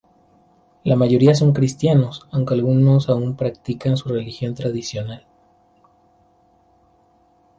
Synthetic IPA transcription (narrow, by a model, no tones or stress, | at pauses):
lamaʝo̞ɾias̬o̞ŋkɾist̪jano̞sawŋkealɣuno̞saumpɾak̚t̪ikansure̞lixjo̞nt̪ɾaðisjo̞nal